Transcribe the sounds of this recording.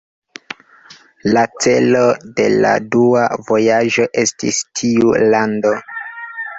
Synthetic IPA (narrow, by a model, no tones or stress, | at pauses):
lat͡se̞lo̞de̞la̰duavo̞jaʒo̞ʔe̞stḭstʰiulando